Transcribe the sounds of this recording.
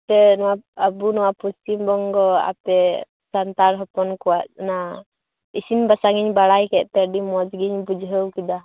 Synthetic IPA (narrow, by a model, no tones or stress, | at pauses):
t̪ɛnɔwaəbunɔwapust̪imbɔŋɡɔa̰pɛ | sant̪aɾɦɔpɔnkɔwaʔ̚na | isinbasaɡiɲbaɽajkɛʔ̚t̪ɛɖimɔd͡ʒɡiɲbud͡ʒɦəwkid̪a